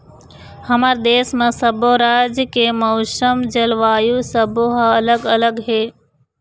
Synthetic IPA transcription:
həmaːɾd̪eːsmãsəbʱoɾaːd͡ʒkemɐʊsəmd͡ʒəlʋaːjusəbʱoɦələɡələɡɦeː

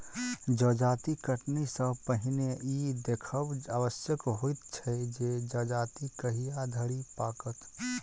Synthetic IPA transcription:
d͡ʒəd͡ʒaːt̪ikəʈnisəbpəɦineid̪ekʰəbawəsjəkɦoit̪t͡ʃʰɛd͡ʒed͡ʒəd͡ʒaːt̪ikəɦijad̪ʱəɾipaːkət̪

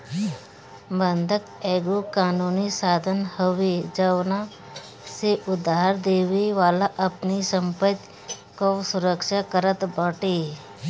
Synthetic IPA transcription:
bə̃nd̪ʱəkeːɡukaːnuːnisaːd̪ʱənhəʋed͡ʒəwna | seʔʊd̪aːɦəɾd̪eːʋeʋaːlaʔɐpnisə̃mpət̪ | kosʊɾəkʃakəɾət̪bəʈe

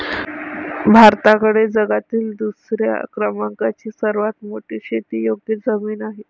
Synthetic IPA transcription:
bʱaɾt̪akəɽed͡zəɡat̪iːld̪usɾja̰kɾəmaŋkat͡ɕiːsəɾʋat̪moʈiːɕet̪iːjoɡjed͡zəmiːnaɦe

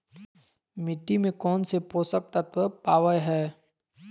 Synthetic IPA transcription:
mɪʈ̪ːimẽkɔːnsepoːsək̚t̪ət̪ʋəpaːʋəjɦɛː

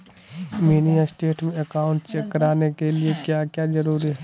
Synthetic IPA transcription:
miːnijasʈeːʈmẽɐkaːʊ̃ɳʈt͡ʃekːəɾaːnekeliekjakjazəɾuːɾiɦɛ

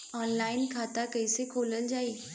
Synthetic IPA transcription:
ɔːnlaːɪnkʰaːt̪akəɪsekʰoːləld͡ʑaːeː

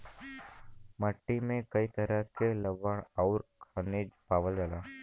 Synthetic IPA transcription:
məʈːimẽkɐit̪əɾəɦkeləʋəɳ̃ɔʊɾkʰaniːd͡ʒpaːʋəld͡ʒalaː

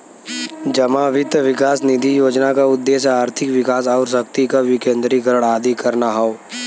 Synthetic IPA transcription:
d͡ʒəmaːʋɪt̪ʋɪkaːsnɪd̪ʱijoːd͡ʒnakaʊd̪ːeːʃaːɾt̪ʰɪkʋɪkaːs̬ɔːɾsɐk̚t̪ikaʋɪkẽːnd̪ɾiɡəɾəɽ̃aːd̪ʱikɐɾnaɦɔoː

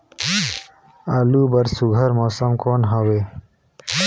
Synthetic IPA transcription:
aluːbɐɾsuɡʱɐɾmoːsəmkoːnɦɐweː

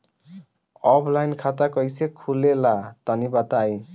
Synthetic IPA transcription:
ʌpʰlajnkʰat̪akʌjsekʰulelat̪ʌnibat̪aj

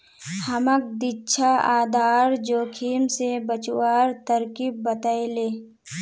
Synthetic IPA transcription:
hɐmək̚d̪itːʃʰaaːd̪ʱaːɾd͡ʒoːkʰiːmsebət͡ʃʊwaːɾt̪əɾkib̚ːət̪aːeleː

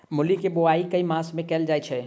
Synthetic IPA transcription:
mʊlikeboaikəimãsmẽkɛːld͡ʒajt͡ʃʰɛ

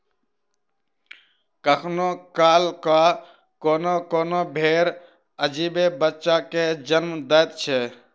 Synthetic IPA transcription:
kəkʰnokaːlka | koːnokoːnobʱeːɾ | əd͡ʒiːbebətːʃaked͡ʒənmd̪əːt̪t͡ʃʰɛː

